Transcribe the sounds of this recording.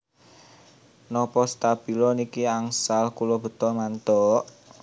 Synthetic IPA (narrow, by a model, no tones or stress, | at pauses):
nɔpɔst̪ab̥i̤lɔnikiaŋsalkulɔb̥ə̤t̪ɔlmant̪ɔʔ